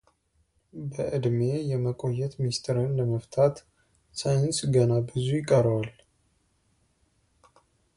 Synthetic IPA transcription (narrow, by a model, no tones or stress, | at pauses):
bəʔɨd̪me̞jɛməkʼo̞jːɛt̪mist̪ʰəɾɨnləməft̪ʰat̪ | sajɪnsɡənabɨzujɪkʼːəɾwal